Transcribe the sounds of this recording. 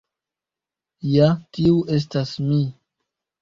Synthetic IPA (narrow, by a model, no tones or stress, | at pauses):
jatiuʔe̞s̬tasmi